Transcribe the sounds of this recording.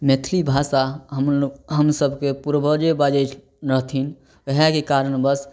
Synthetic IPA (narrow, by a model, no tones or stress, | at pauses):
met̪ʰlibʱasa | ɦəmsəbʱkepuɾbʱəd͡ʒebad͡ʒet͡ʃʰ | ɾəɦt̪ʰin | əɦakekaɾənbəs